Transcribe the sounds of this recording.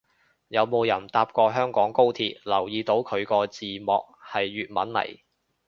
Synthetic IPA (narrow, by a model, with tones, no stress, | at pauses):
jɐ˨˧wmo˨˧wjɐ˨˩nt̪aː˧p̚kʷɔː˧ɦœː˥ŋkɔː˨˥ŋko˥wt̪ʰiː˧t̚lɐ˨˩wjiː˨˧t̪o˨˥wkʰɵ˨˧ɥkɔː˧t͡siː˨mɔː˨k̚hɐ˨jːyː˨t̚mɐ̰˨˥nlɐ̰˨˩j